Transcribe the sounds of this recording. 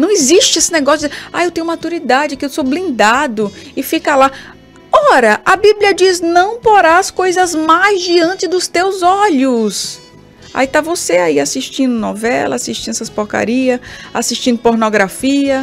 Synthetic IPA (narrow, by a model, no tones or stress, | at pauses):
nɐ̃w̃ɪziʃt͡ʃɪesɪnɛɡɔsjʊd͡ʒajewt̪ẽj̃umɐmat̪uɾid̪ad͡ʒɪkɪewsoblĩnd̪ad̪ʊɪfikɐla | ɔɾɐʔɐbibliɐd͡ʒisnɐ̃w̃poɾaskojzɐzmajzd͡ʒiɐ̃nt͡ʃɪd̪ʊst̪ewzɔʎʊs | a̰it̪avoseaiasiʃt͡ʃĩnd̪ʊnɔ̰vɛlɐ̰asiʃt͡ʃĩnd̪ɛsɐspoɾka̰ɾiɐasiʃt͡ʃĩd̪ʊpoɾnoɡɾafiɐ